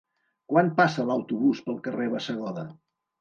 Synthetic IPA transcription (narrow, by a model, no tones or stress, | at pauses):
kwanpasələwt̪uβuspəlˠkəreβəsəɣ̞ɔðə